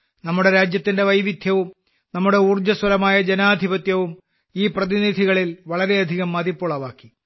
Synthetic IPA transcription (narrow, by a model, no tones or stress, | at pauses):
nɐmːuɽe̞ɾaːd͡ʑjɐt̪ːinde̞ʋɐjʋid̪ʱjɐʋum | nɐmːuɽe̞urd͡ʑɐswɐlɐmaːjɐd͡ʑenaːd̪ʱibɐt̪jɐʋum | iːprɐðinid̪ʱiɣɐɭilʋɐɭɐɾe̞ɐd̪ʱiɣɐmːɐðipːoɭɐʋaːkːi